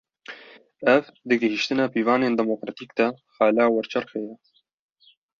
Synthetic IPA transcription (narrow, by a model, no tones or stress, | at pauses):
ɛvd̪ɨɡəhiʃt̪ɨnaːpiːvɑːneːnd̪ɛmoːkɾɑt̪iːkd̪ɐ | xɑːlaːwɛɾt͡ʃʰɛrxejɛ